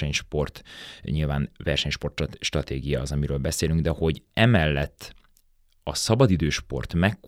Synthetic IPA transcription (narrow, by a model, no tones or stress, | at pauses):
ɛɲʃpo̞rt̪ɲilva̰ːnvɛrʃɛɲʃpo̞rt̪ʃt̪rɒt̪eːɡijɒːzɒmiɾøːlbɛseːlyŋɡd̪ɛho̞ɟɛmɛlːɛt̪ː | ɒsɒbɒd̪id̪øːʃpo̞̰rt̪mɛkː